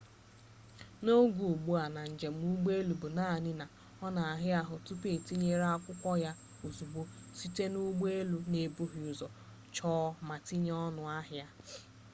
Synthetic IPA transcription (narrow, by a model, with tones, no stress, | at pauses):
no˦ɡu˨ɡ͡bu˦a˨na˨n̩˨d͡ʒe˨m̩˦u˦ɡ͡be˦lu˨bu˨na˦˨nɪ˦na˨ | ɔ˦na˨a˨ɦɪ˦a˦ɦʊ˨tu˦pe˨ti˦ɲe˦ɾa˦kʷʊ˦kʷɔ˦ja˦ | o˨zu˨ɡ͡bo˦si˦te˦nu˦ɡ͡be˦lu˨ne˨bu˦ɦi˨ʊ˨zɔ˨ | t͡ʃɔː˦ma˨ti˦ɲ˦ɔ˦nʊ˨a˦ɦja˦